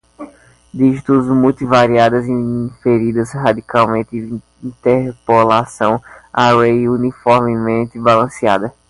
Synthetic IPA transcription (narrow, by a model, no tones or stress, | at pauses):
d̪iʒit̪uzmult̪ivaɾiad̪ɐziĩfeɾid̪ɐzɦad̪ikawmẽt̪ɪ | ĩt̪eɾpolasɐ̃w̃awejunifɔɾmɪmẽnt̪ɪbalɐ̃sia̰d̪ɐ